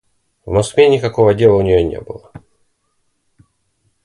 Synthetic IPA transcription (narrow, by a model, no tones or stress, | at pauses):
vmɐskvʲenʲɪkɐkovədʲe̞lˠəʊnʲɪjonʲḛbɨlˠə